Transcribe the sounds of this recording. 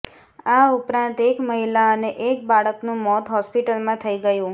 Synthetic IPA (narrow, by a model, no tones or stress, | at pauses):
aupɾãnt̪ekməɦilaəneʔek̚baɭəknũmɔt̪ɦɔspiʈəlmãt̪ʰəiɡəjũ